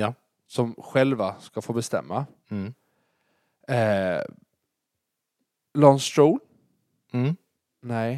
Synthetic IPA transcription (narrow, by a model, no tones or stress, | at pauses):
sɔmɧɛlvaskafoːbɛst̪ɛ̰mːa | ɛ | lɔnst̪ɾuːn̩ | nɛj